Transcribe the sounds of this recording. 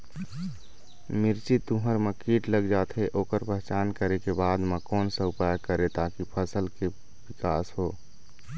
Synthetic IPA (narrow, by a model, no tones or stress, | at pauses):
mɪɾt͡ʃiuɦəɾməkiːʈləɡd͡ʒaːt̪ʰɦeʔoːkəɾpɛɦɛt͡ʃaːnkəɾekebaːd̪mə̃koːnsəʊpaːjkəɾet̪aːkipʰəsəlke | wɪkaːsɦoː